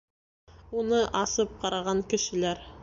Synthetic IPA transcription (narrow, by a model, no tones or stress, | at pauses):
unɤʔɑsɤp̚qɑɾɑʁɑŋkɘ̆ʃɘ̆læɾ